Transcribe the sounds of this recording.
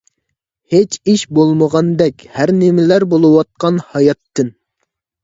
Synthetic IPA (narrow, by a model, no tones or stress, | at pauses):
het͡ʃiʃbolˠməʁɑnd̪ɛkʲhæɾnɪmɪlæɾbolˠɨwɑt̪̚qɑnhɑjɑt̪ʰːɨn